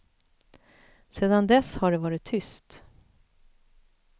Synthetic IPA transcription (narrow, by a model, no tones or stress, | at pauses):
seːd̪and̪ɛshaɖɛvɑːɾɪt̪ʰːʏst̪